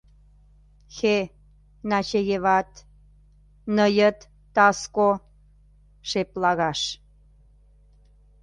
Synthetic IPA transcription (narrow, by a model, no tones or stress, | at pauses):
xe | nɑt͡ɕeɣeβɑt̪ | nəjət̪ː | ɑsko | ʃeplɑɣɑʃ